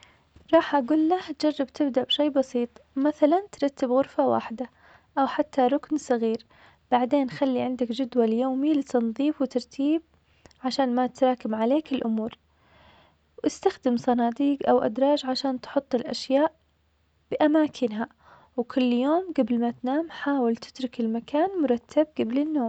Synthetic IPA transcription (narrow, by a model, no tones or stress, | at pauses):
ɾˤɑːħʔaɡuːlːaht̪d͡ʒɑrˤːɑb̚t̪ʰɪbd̪aʔbʃeːbɑsiːt̪ˤmaθalant̪ɾˤɑt̪ːɪbɣʊɾfawa̰ːħd̪a | ʔawħat̪ʰːaɾˤʊknsˤɨɣiːɾ | b̥aʕd̪eːnxalːiʕɪnd̪akd͡ʒʊd̪waljoːmilɪt̪ɑnðˤiːfwɪt̪ɑɾˤt̪ʰiːb̚ | ʕaʃaːnmat̪ɾˤɑːkɪmʕaleːkɪlʔʊmuːɾ | wʔɪst̪axd̪ɪmsˤɑnɑːd̪iːɡʔawʔad̪ɾˤɑːd͡ʒʕaʃaːnt̪ħʊt̪ˤːɪlʔaʃjaːʔ | b̥ɪʔamaːkʰɪnɦa | wkʰʊlːjoːmɡablmat̪naːmħaːwɪlt̪ɪ̥t̪ɾˤʊkɪlmakaːnmʊɾˤɑt̪ːab̚ɡablɪnːoː